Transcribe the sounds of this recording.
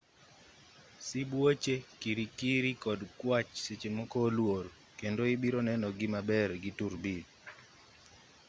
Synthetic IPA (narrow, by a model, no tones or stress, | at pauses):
sibwot͡ʃekiɾikiɾikɔdkwat͡ʃset͡ʃemɔkoːlwoɾ | kendoibiɾonɛnɔɡɪmabɛrɡɪtuɾbi